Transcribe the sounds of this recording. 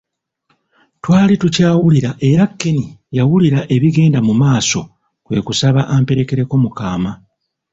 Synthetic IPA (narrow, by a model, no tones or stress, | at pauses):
twaːlitucaːwuliɾaʔe̞ɾakːe̞nijawuliɾaʔe̞βiɡe̞ːndamumaːso̞ | kwe̞̰ːkusaβaʔampe̞ɾe̞ke̞ɾe̞ko̞mukaːma